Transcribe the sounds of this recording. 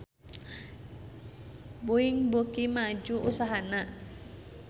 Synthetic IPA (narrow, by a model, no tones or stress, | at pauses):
buiŋbukimad͡ʒuʔusaɦana